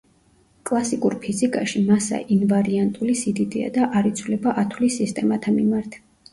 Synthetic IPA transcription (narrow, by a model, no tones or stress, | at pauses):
kʼlˠasikʼuɾpʰizikʼaʃimasa̰ʔinvaɾiant̪ʼulisid̪id̪ia̰d̪aʔaɾit̪sʰulɛbaʔat̪ʰulisist̪ʼɛmat̪ʰamḭmaɾt̪ʰɛ̥